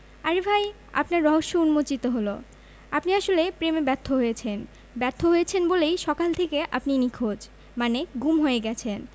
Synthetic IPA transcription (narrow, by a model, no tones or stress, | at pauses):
aɾebʱaj | a̰pnaɾːɔɦoʃːounmot͡ɕit̪oɦolo | apniaʃolepɾemebɛɾt̪ʰːoɦojet͡ɕʰen | bɛɾt̪ʰːoɦojet͡ɕʰenbolejʃɔkalt̪ʰekeʔa̰pninikʰod͡ʑ | maneɡumɦoeɡɛt͡ɕʰen